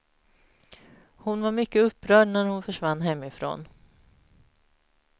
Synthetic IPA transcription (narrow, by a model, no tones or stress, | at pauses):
hʊnvaɾmʏkːəɵpːɾœːɖɳæɾhʊnfœʂvanːɦɛmːɪfɾo̰ːn